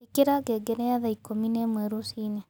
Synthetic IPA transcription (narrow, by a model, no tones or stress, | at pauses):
ikeɾaɡɛɡɛɾɛaðaikominɛmwɛɾosine